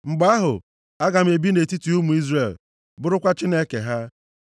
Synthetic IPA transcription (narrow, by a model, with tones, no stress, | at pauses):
ŋ͡m̩˨ɡ͡ba˦ɦʊ̰˨ | a˦ɡa˨m̩˦e˨bi˦ne˨ti˦ti˨u˦mu˨i˦zre˨l | bʊ˦ɾʊ˦kʷa˦t͡ʃi˦ne˦kḛ˨ɦa˦